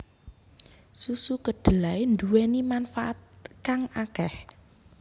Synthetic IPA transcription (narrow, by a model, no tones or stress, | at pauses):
susukəɖ̥ə̤laend̪uwenimanfaʔat̪̚kaŋakɛh